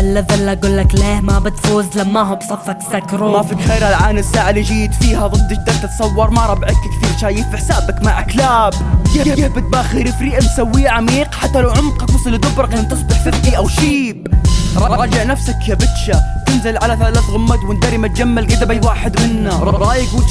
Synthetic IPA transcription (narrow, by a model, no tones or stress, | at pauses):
ʔɪlːaðɪlːaɡuːlːakleːhmabɪt̪fuːzlamːaɦʊbsˤɑfːɑksakɾˤumaːfɪd̪xeːɾhalʕaːnɪsːaːʕalid͡ʒiːd̪fiːhaðˤɨd̪ːʃd̪alt̪ɪt̪sˤɑwːɑɾˤmaɾˤɑbʕɪkkθiːɾʃaːjɪfʔɪħsaːbakmaʕʔaklaːb | ɡaɡabɪt̪̚baːxiɾɪfɾiːʔabsawːiːʕamiːqħat̪ːalawʕʊmqɑt̪wʊsˤɑld̪ʊbɾˤɑkamt̪ɨsˤbɪħfɪfiʔawʃiːbɾˤɑɾˤɑɾˤɑːd͡ʒɪʕnafsakjabɪt̪ʃa | t̪ɪnzɪlʕalaθalaːθɣʊmːat̪wɪnd̪aɾːimat̪̚d͡ʒamːalʔɪd̪abajwaːħɪd̪mɪnːaɾˤɑɾˤɑːʔjɡuː